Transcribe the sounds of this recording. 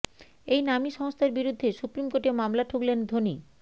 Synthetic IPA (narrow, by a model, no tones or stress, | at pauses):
ejnamiʃɔŋst̪ʰaɾbiɾud̪ʱːeʃupɾimkoʈemamlaʈʰuklend̪ʱoni